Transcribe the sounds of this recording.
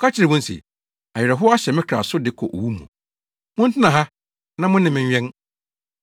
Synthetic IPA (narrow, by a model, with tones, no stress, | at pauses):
kʰa˦t͡ɕʰɪ˨ɾɪ˨wʊ̃˦n̩˦sḭ˨ | a˨ɛ˨ɾɛ˨ɦʊ˦a˦ɕɛ˨mɪ̃˦kʰɾa̰˨sʊ˦dɪ˨kʰɔ̰˨ʔo̰˨wu˦mṵ̃˨ | mʊ̃˦n̩˦tʰɪ̃˦nã˨ɦa˦ | nã˦mʊ̃˦nɪ̃˨mɪ̃˨ɲᶣ˦ɛ̃˦n